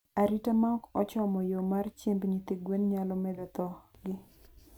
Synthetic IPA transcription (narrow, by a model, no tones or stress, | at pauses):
aɾitamaɔkɔt͡ʃɔmɔjomart͡ʃembɲit̪iɡwenɲalɔmɛd̪ɛt̪ɔɡɪ